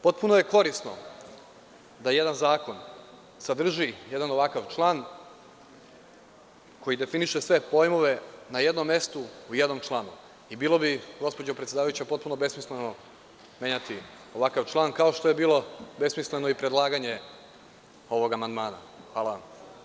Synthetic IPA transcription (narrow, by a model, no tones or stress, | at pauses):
po̞t̪̚punoje̞ko̞ɾisno | d̪aje̞d̪anzaːko̞n | sad̪r̩ʒije̞d̪ano̞ʋakaʋt͡ʃlˠaːn | ko̞jid̪e̞finiʃesʋe̞po̞jmo̞ʋe̞naje̞d̪no̞mːje̞st̪uuje̞d̪no̞mt͡ʃlˠaːnu | ibiːlˠo̞biɡo̞spod͡ʑopɾet̪sʲjed̪aːʋajut͡ɕepo̞t̪̚punobe̞smisleno̞ | mʲjeɲat̪i | o̞ʋakaʋt͡ʃlˠaːnkao̞ʃt̪o̞je̞biːlˠo̞be̞smisle̞no̞ipɾe̞d̪lˠaːɡaɲe̞ | o̞ʋo̞ɡamand̪maːna̰ | xʋaːlˠaʋa̰m